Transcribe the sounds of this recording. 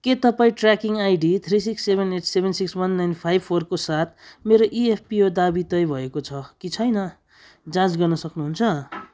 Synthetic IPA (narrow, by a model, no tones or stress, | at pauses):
ket̪ʌpãĩʈrakiŋajɖit̪ʰrisiksːebʱeneʈsebʱensikswʌnːajnpʰajb̚pʰorkosat̪̚ʰmeɾoʔiepʰpiod̪abit̪ʌjbʱʌekot͡sʰʌkit͡sʰʌjnʌ | d͡zãt͡sɡʌrnʌsʌknuɦunt͡sʰʌ